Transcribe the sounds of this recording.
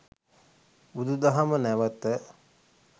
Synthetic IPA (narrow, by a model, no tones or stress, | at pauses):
bud̪ud̪aɦamənæʋət̪ə